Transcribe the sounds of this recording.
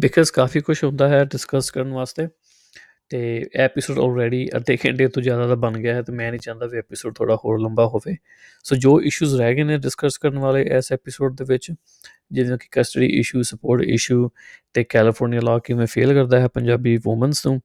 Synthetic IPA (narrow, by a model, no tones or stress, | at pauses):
bɪkʰəzkaːfʰiːkʊʃɦõːnd̪aːɦɛːɖɪskəskəɾənʋaːst̪eː | t̪eːɛːpɪsoːɖɔ̰ːlɾɛːɖiːʔə̰d̪eːkʰɛ̰̃ɳɖeːt̪õːzjaːd̪aːd̪aːbənɡɪjaːɦɛːt̪eːmɛ̃ːnĩːt͡ʃãːnd̪aːʋiːɛːpɪsoːɖ̚t̪ʰo̰ːɽaːhoːɾləmbaːɦoːʋeː | soːd͡ʒoːʔɪʃuːzɾɛːɡeːnẽːɖɪskəskəɾənʋaːleːʔɛːsɛːpɪsoːɖ̚d̪eːʋɪt͡ʃ | d͡ʒɪd̪õːkɪ̥kəsʈəɖḭːʔɪ̰ʃuːsəpoːɾʈɪ̰ʃuːt̪eːkɛːlɪpʰoːɾnijaːlaːkimɛ̃ːpʰḛːlkəɾd̪aːɦɛːpəɲd͡ʒaːbiːʋoːmənsnũː